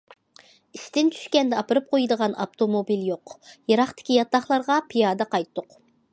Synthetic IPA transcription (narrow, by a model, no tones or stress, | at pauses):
ist̪ɪnt̪ʰy̥ʃkʲɛnd̪ɪɑpɨɾɨp̚qʰojd̪əʁɑnɑ̰pt̪ʰomobiljoqjɑɾɑχt̪ɪ̥kʲijɑt̪ːɑχlˠɑɾʁɑpʰijɑd̪ɑqɑjt̪ːʊq